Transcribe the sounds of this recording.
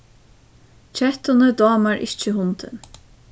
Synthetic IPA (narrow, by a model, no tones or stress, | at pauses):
t͡ʃʰɛht̪ʊnəd̪ɔːmaɹʔɪ̰t͡ʃɪɦʊnt̪ɪ̰n